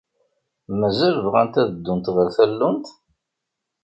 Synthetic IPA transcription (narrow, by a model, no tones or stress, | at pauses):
mæzælvʁænt̪æðəd̪ːʊnt̪ʁəɾθælːʊnt̪